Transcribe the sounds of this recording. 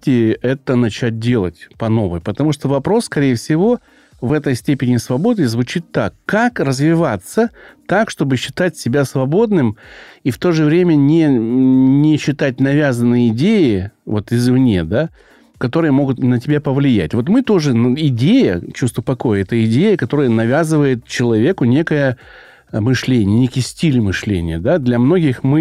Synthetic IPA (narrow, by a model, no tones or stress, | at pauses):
tʲɪɛt̪ənɐt͡ɕæt̚ʲdʲe̞lˠə̰tʲpɐno̞vɨjpət̪ɐmuʂt̪ovɐpɾo̞sskɐɾʲejfsʲɪvo̞ | vɛt̪əjsʲtʲepʲɪnʲɪsvɐbo̞d̪nɨzvʊt͡ɕit̪ːakːakrəzvʲɪvat̪sət̪akʂt̪o̞bɨɕːɪ̥t̪atʲsʲɪbʲasvɐbo̞d̪nɨmift̪o̞ʐɨvɾʲemʲənʲɪ | nʲɪɕːɪt̪at̚ʲnɐvʲazənːɨjəɪdʲejɪvo̞t̪ɪzvnʲe̞̰d̪a | kɐt̪o̞ɾɨjəmo̞ɡʊt̪nətʲɪbʲapəvlʲɪjæ̰tʲvo̞t̪mɨt̪o̞ʐɨnɪdʲejə̰t͡ɕust̪vəpɐko̞jəɛt̪əɪdʲejəkɐt̪o̞ɾəjənɐvʲazɨvəjɪt̪̚t͡ɕɪlˠɐvʲe̞kʊnʲe̞kəjə | mɨʂlʲenʲɪənʲekʲɪjsʲtʲilʲmɨʂlʲḛnʲɪjəd̪ad̪lʲɐmno̞ɡʲɪxmɨ